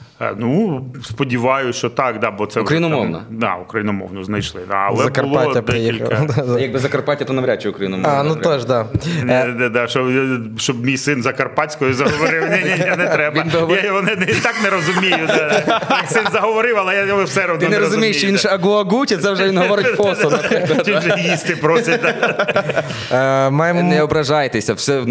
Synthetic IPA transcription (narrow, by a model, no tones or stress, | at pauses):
nuspɔdʲiʋɑjʊʃt͡ʃɔt̪ɑkd̪ɑbɔt̪sɛʊkɾɐinʊmɔ̰wnɐ̰d̪a̰ʊkɾɐjinɔmɔ̰wnɔznɐjʃlˠɪ̰nɐ̰ɐ̰lˠɛɐbkɐʊlˠaɐdɛiilʲkɐjɐɡ̚bɪzɐkɐrpatʲɐt̪ɔnɐʋɾʲat͡ʃːɛʊkɾɐʋʲinʊmɔanuɔʒd̪aɛd̪ɛd̪aʃɔ | ʃɔbmʲijsɪnzɐkɐrpɑtʲsʲkɔjʊzɐɔʋɐɾɪwnʲɛjanɛɾɛbʋɐinbɪɦɔʋjʋɔnɪnɛit̪aknɛɾɔzʊmʲejʊɛijsɪnzɐɦɔʋɐɾɪwɐlˠɛjaɪwsɛɾɐwd̪ɪɔneɾɔzʊmʲejɪʃɔʋinʒɛɐɡɔɐɡutʲɐt̪sɛwʒɛʋinɦɔʋɔɾɪtʲfɔsɔnɐtʲuʒjist̪ɪpɾosʲɐd̪ | majmnɛɔbɾɐʒajt̪esʲɐfsʲɛ